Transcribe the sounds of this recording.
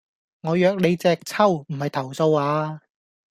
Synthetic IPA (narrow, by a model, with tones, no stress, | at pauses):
ŋɔː˨˧jœː˨˧k̚le˨˧jt͡sɛː˧k̚t͡sʰɐ˥˩wm̩˨˩hɐ˨jt̪ʰɐ˨˩wso˧waː˨˧